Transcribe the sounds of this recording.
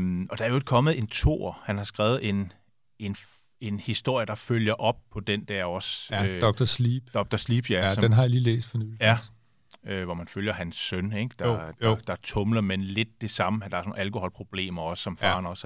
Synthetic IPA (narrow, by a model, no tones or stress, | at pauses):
ɒ̽d̥ɑ̈æɐjoed̥̚kʰɒ̽məð̩ˠe̝nt͡sʰo̝̰ːɐ̰hænhɑ̈sɡ̥ʁɛːʊð̞̩ˠe̝n | e̝n | e̝nhisd̥o̝ɐ̰jəd̥ɑ̈føljɐʔɒ̽b̥̚pʰɒ̽d̥end̥æɐ̰ɒ̽sødɒɡ̥d̥ɐsliːb̥d̥ɒɡ̥̚d̥ɐsliːb̥jæsɒd̥enɦɑ̈jiliːlḛːsd̥fɒnyl̩jæ | øʋɒmænføljɐɦænsːœneɡ̥d̥ɑ̈d̥d̥ɑ̈t͡sʰɔ̽mlɐmenle̝d̥̚ːe̝sɑ̈məæd̥ɑ̈æɐsnon̩ælko̝hɒ̽lpʰʁo̝b̥le̝̰ːmɐɒ̽sə̥ːɒ̽mfɑ̰̈ːnɒ̽s